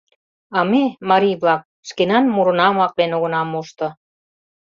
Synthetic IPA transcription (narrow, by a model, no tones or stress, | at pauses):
ɑmemɑɾijβlɑk̚ | ʃkenɑnmuɾɤ̆nɑmɑk̚d̪enoɣə̆nɑmuʃt̪ɤ̆